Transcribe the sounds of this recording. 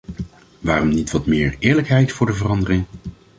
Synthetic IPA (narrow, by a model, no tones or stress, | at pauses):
ʋaːrɔmnitʋɑtmɪːɹɪːɹləkɦɛjtfʊːɹdəvərɑndərɪŋ